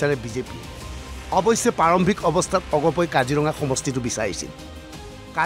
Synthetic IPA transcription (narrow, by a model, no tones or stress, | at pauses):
aɹɛbizepḭ | ɔbɔjsɛpaɹɔmbʱikɔbɔstʰatɔɡɔpɔjkaziɹɔŋaxɔmɔstitʊbisaɹḭsḭl | ka